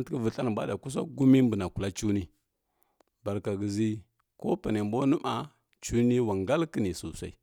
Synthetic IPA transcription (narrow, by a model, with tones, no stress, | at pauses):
nti˦kə˦vu˨ɬa˦n˨ba̰˦da˨ku˦s̬a˦ɡu˦mi˦m˦bu˨na˨ku˨la˦t͡ʃu˦ni˦ | ba˨ɾka˨ɡə˨zi˦ | ko˦pa˨ne˨mbo˦nu˦ma˨ | t͡ʃu˦ni˦wa˨ŋɡa˦lki˦ni˨su˨sa̰˦i˦